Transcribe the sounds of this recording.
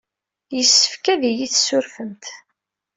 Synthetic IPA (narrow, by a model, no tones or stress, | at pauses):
jəsːə̥fkæðijiθsʊɾfənt̪